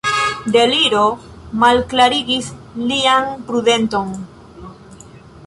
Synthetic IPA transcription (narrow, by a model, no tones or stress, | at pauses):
d̪e̞liɾo̞ | malklaɾiɡislianpɾude̞nt̪o̞n